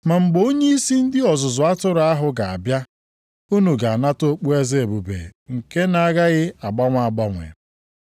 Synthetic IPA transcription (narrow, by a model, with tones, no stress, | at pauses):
ma˨ŋ͡m̩˨ɡ͡bo˦ɲe˦i˦si˦n̩˦dɪ˦ɔ˨zʊ˨zʊ˨a˦tʊ˦ɾa˦ɦʊ˨ɡa˨a̰˨bja˦ | u˦nu˨ɡa˨a˨na˦to˦k͡pu˦e˦ze˦e˨bu˨bḛ˨ŋ̩˨ke˦na˨a˦ɡa˦ɣɪ˦a˨ɡ͡ba˦ŋʷa˨a˨ɡ͡ba˦ŋʷḛ˨